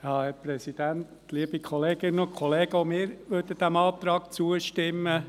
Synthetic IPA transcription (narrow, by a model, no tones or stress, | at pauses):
jɑːhæɾpɾɛsid̥̪ænt̪ | liəb̥ikʰɔleːɡ̥ɪnənʊkʰɔleːɡəomɪːɾʋødəd̪̥æmɑːt̪ɾɑːk̚t͡suəʃtɪmːə